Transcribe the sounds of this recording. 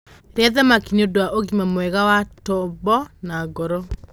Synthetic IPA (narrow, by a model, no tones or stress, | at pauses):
ɾeaðamakiniodowaʔoɣimamwɛɣawatɔbɔnaɡɔɾɔ